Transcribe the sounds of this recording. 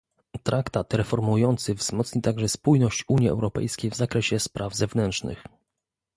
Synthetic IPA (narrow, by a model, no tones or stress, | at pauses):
t̪ɾʔakt̪at̪ɾɛfɔɾmujɔnt̪sɘvz̥mɔt̪sɲit̪aɡʐɛspujnɔɕt͡ɕuɲjiɛ̰wɾɔpɛ̰jskʲejvzakɾɛɕɛspɾavzɛvnɛntʂnɘ̰x